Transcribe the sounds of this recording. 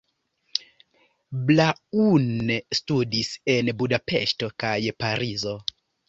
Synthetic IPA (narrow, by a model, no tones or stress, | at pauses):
blaunstudise̞nbudape̞̰ʃto̞kajpaɾizo̞